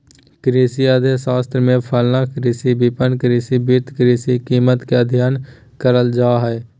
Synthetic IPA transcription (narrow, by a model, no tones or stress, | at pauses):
kɾeːsiaːd̪ʱesaːst̪ɾmẽpʰəlnakɾiːsibipənkɾiːsibɪɾt̪ʰkɾiːsikiːmət̪keəd̪ʱjaːn | kəɾəld͡ʒaːɦɛː